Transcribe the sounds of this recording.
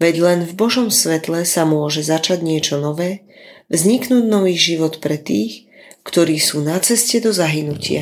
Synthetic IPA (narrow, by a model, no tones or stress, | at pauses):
ʋɛɟlɛnvbɔʒɔmsʋɛt̪lɛsamʊɔʒɛzat͡ʃaɟɲɪɛt͡ʃɔnɔʋɛː | ʋzɲiknuːɟnɔʋiːɣʒiʋɔt̪pɾɛt̪iːx | kt̪ɔɾiːsuːnat͡sɛscɛd̪ɔzaɦinucɪa̰